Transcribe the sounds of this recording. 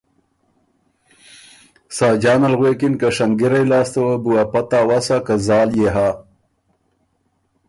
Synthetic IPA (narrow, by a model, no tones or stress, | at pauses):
saːd͡ʒɑːnalɣwekɪnkaʂaŋɡiɾajlɑːst̪awəbuwapat̪aːwasakazɑːljeɦa